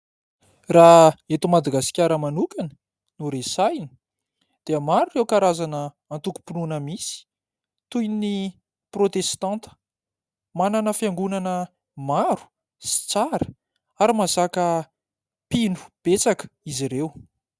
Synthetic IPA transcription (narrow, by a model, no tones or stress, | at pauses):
raet̪umad̪aɡaskʲaɾəmanukanə̥ | nuɾesajni̥ | d̪̥eəmaɾurewkaɾazanəː | nt̪uku̥pinunəmisi̥ | t̪ujni | prot̪est̪ɑ̃nt̪ə̥ | mananəfjaŋɡunanə | maɾu̥ | si̥t͡saɾə̥ | aɾimasakə | pinu̥b̥et͡sakə̥iziɾew